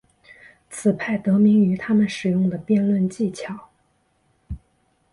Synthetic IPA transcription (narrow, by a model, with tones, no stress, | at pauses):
t͡sʰɹ̩˨˩pʰa˥˩ɪt̪ɤ˧˥mi˧˥ŋy˧˥t̪ʰa˥mə˨nʂɻ̩˨˩jʊ˥˩ŋd̪ə˩pjɛ˥˧nlwə˥˧nt͡ɕi˥˩t͡ɕʰjɑ˨˩˦ʊ